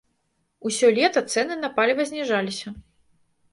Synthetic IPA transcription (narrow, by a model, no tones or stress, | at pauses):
usʲɔlʲɛt̪ɐt̪sɛnɨnɐpalʲivɐzʲnʲɛʐalʲisʲɐ